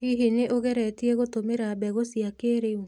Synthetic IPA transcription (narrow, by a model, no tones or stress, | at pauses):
iɦineʔoɣɛɾɛtiɛɣotomeɾabɛɣosiakeːɾeu